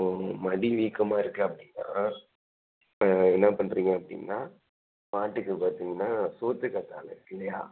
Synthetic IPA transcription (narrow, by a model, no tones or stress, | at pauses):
mɐɽiʋiːkːɐmaːɪɾɯkːɯɐpːɐɽɪnːa̰ː | ɛnːɐpɐɳːɾiːŋɡɐɐpːɐɽɪ̰ŋnːaː | maːʈːɯkːɯpaːɾt̪iːŋɡɐnːaːsoːt̪ːɯkːɐt̪ːa̰ːlɐɪɾɯkːɪlɐjaː